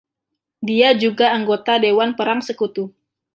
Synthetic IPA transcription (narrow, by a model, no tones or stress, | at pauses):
diad͡ʒuɡaːŋɡot̪adewanpəɾaŋsəkut̪u